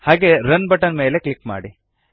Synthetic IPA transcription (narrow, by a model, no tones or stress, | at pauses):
haːɡeːɾɐnbɐʈɐnmeːle̞klikma̰ːɽi